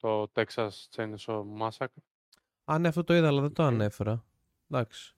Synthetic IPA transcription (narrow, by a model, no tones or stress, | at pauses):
t̪ot̪eksɐst͡senisomɐsɐkɾ | ɐneɐft̪ot̪o̞iðɐlɐðet̪oɐne̞fe̞ɾɐ | d̪ɐksi̥